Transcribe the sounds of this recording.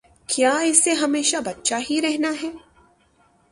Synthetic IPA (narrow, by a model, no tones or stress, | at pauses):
kjaːɪsːeɦɐmeːʃabɐt̪ːʃaɦiɾɛɦnaɦɛː